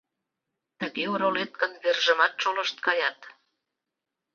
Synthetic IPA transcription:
t̪əɣeoɾolet̪̚kə̆nβerʒə̆mɑt̪̚ʃoləʃt̪̚kɑjɑt̪

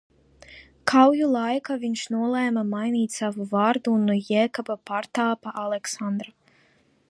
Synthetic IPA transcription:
kʰawjulˠajkaviɲʃnuɔlˠɛːmamajniːt̪ʲsavuvaːɾd̪uːnːujɛːkabapaɾt̪aːpaʔalˠeksand̪ɾɔ

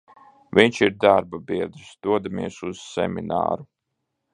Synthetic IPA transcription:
viɲt͡ʃiɾd̪aɾbabiɛd̪ɾisd̪̥uɔd̪amiɛsuz̥sɛ̰mʲina̰ːɾu

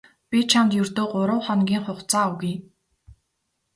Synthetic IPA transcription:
pʲit͡ɕʰamt̪jɵrt̪oːɢʊɾʊ̆ːχɔnɡʲiːŋχʊχt͡saːʊwɣĭː

